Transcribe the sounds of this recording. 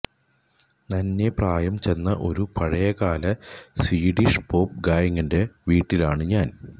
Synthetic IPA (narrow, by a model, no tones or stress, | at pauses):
nɐnːe̞praːjɐmt͡ɕe̞nːɐʔo̞̰ɾupɐɻɐjɐɣaːlɐsiːɽiʂpo̞ːp̚ɡaːjɐŋːɐnde̞ʋiːʈːilaːɳɨɲaːn